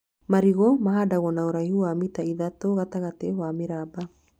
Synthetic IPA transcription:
maɾiɣomaɦadaɣonaoɾaihuamitaiðatoɣataɣatewamiɾaba

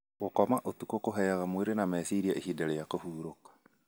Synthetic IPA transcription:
ɣokɔmaʔotukokoɦɛjaɣamweɾenamɛsiɾiaʔehidaɾɛjakohuːɾokḁ

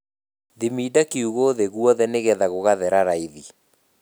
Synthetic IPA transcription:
ðimidakiuɣoðeɣwɔðɛneɣɛðaɣoɣaðɛɾaɾaiði

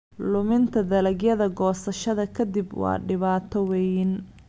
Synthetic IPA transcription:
lʊmɪnt̪ʰɐd̪ɐlɐɡjɐðɐɡɔːsɐʃɐðɐkʰɐd̪ibwɑ̰ːɖɪβaːt̪ʰɔwɛjn

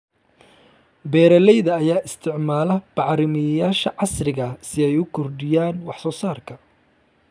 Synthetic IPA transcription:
bɛːɾɐlɛjðɐːjaːʔɪst̪ʰɪʕmaːlɐb̥ɑʕɾɪmɪjaːʃɐʕɑsrɪɣɐsɪɛjʊkʰɔrdɪjaːnwɑħsɔːsaːrkʰɐ

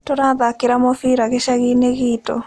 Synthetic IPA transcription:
toɾaðakeɾamofiːɾaɣeʃaɣineɣiːtɔ̰

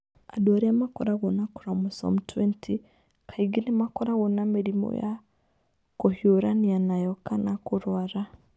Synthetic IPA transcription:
a̰dwaɾiamako̰ɾaɣonaku̥ɾamuso̰mutwentʰi | kʰaiɡinimakoɾaɣonamiɾimo̰ja̰ | kohjoɾanianajokanakuɾwaɾa

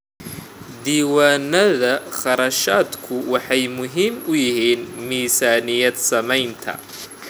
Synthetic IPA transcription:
d̪iːwaːnɐðɐχɑɾɐʃaːd̪kʰʊwɑħɑjmʊɦiːmʊjɪɦiːnmiːsaːnɪjɐd̪sɐmɛjnt̪ʰɐ̰

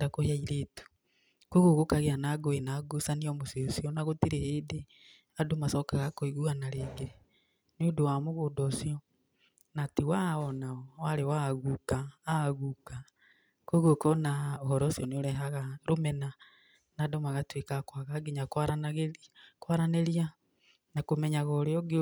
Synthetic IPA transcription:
dakoheaiɾeːtu̥ | koɣoɣokaɣeanaɡoenaɡosaniɔmoseosiɔnaɣotiɾeheːde | adomasɔkaɣakoeɣuanaɾeɡe | nodowamoɣodɔsjɔ | natiwaɔnaɔwaɾewaɣukaːɣuka | koiɣokɔnaoɦɔɾɔsiɔneoɾɛɦaɣaɾomɛna | nadomaɣatwekakwaɣaɡeɲakwaɾanaɣekwaɾanɛɾia | nakomɛɲaɣɔɾeɔɡe

